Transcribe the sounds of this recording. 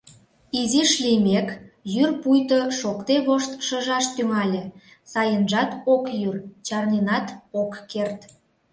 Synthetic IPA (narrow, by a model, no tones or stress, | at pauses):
iziʃlimʲekjyrpujt̪oʃokt̪eβoʃt̪ʃəʒɑʃt̪yŋɑlʲe | sɑjənʒɑt̪okjyrt͡ɕɑrnenɑt̪okːert̪